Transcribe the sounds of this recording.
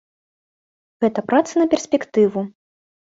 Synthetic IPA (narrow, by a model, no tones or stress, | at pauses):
ɣɛt̪ɐpɾat̪sɐnɐpʲɛrsʲpʲɛkt̪ɨvu